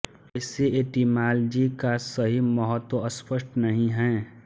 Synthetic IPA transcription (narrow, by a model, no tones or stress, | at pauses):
ɛːseeːʈiːmaːld͡ʒikasɐɦimɐɦət̪woɐspəʃʈnɐɦĩɦɛ̃ː